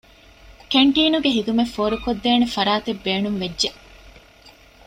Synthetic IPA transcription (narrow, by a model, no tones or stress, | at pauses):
keɳʈiːnuɡeɦid̪umefːoːɾukod̪ːeːnefɐɾaːt̪ebːeːnuŋʋedʒe